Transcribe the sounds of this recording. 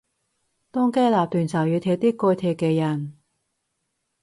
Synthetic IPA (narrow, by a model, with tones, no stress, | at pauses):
t̪ʊː˥ŋkeː˥laː˨p̚t̪ʰyː˨˩nt͡sʰɐ˨˩wjy˨˧t̪ʰɛː˧˥t̪iː˥kɔː˧jt̪ʰɛː˧˩kːɛː˧jɐ˨˩n